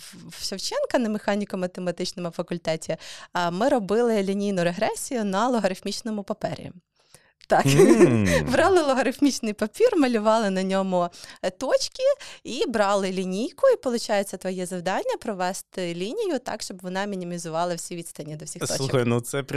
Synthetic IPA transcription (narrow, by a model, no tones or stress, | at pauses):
ʃɐwt͡ʃɛnkɐnɐmexɑnʲikɔmɐt̪emɐt̪ɪt͡ʃnɔmʊfɐkʊlʲt̪ɛtʲimɪɾɔbɪlˠɪlʲinʲijnʊɾeɦɾɛsʲijʊnɐlˠɔɦɐɾɪxmʲit͡ʃnɔmʊpɐpɛɾʲḭ | t̪ɑk | bɾɑlˠɪlˠɔɦɐɾɪfmʲit͡ʃnɪjpɐpʲirmɐlʲʊʋɑlˠɪnɐnʲɔmʊt̪ɔt͡ʃkʲiibɾɑlˠɪlʲinʲijkʊipɔlˠʊt͡ʃɑjʊt͡sʲːɐt̪ʋɔjɛzɐwd̪ɑnʲːɐpɾɔʋɛst̪ɪlʲinʲijʊt̪ɑ̰kʃt͡ʃɔbʋɔnɑmʲinʲimʲizʊʋɑlˠɐwsʲiʋʲid̪st̪ɐnʲːid̪ɔwsʲixt̪ɔlt͡ʃˠuxɐjnʊt̪sɛp